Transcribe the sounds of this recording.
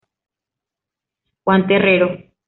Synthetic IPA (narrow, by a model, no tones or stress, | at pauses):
kwant̪ereɾo